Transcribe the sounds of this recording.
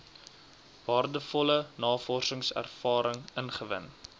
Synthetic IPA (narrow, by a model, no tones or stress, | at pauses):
vɑːrdəfɔlənɑːfɔrsəŋsæ̰rfɑːɾəŋənχəvə̰n